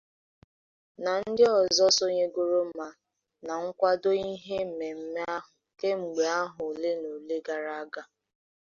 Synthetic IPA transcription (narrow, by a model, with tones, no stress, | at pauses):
na˨n̩˦dɪ˦ɔ˨zɔ˦so˦ɲe˦ɡo˦ɾo˦m̩˦ma˦ | na˨ŋ̩˦kʷa˦do˦i˦ɦe˦m̩˨me˨m̩˦me˦a˦ɦʊ˨ke˦ŋ͡m̩˨ɡ͡be˨a˦ɦʊ˨le˦no˨le˦ɡa˨ɾa˦ɡa˨